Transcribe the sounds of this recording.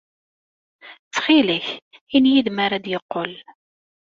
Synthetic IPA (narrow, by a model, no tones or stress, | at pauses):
t͡sːχiləçinjiðmaɾad̪jəqːol